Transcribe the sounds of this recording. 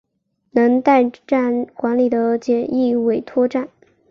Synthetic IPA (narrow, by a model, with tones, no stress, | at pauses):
nɤ˧˥ŋt̪a˥˧ɪʈ͡ʂa˥˩nkwa˧˥nli˨˩d̪ə˦t͡ɕjɛ˨˩ni˥˩we˨˩ɪt̪ʰwɔ˥ʈ͡ʂa˥˩n